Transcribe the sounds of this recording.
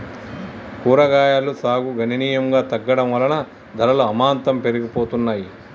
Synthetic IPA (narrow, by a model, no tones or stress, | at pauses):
kuːɾɐɡaːjaːlusaːɡuɡʱɐnɐniːjɐŋɡaːt̪ɐɡːɐɽɐmʋɐlɐnɐ | d̪ʱɐlɐluɐmaːnt̪ɐmpe̞ɾiɡipoːt̪unːaːji